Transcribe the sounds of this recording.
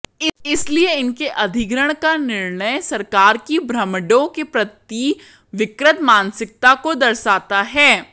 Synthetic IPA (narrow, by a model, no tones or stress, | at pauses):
ɪɪslieɪnkeʔɐd̪ʱɪɡɾəɽ̃kanɪɾɳəjsɐɾkaːɾkibɾɐmɖõkepɾɐt̪iː | ʋɪkɾət̪maːnsɪk̚t̪akod̪ɐɾsaːt̪aɦɛː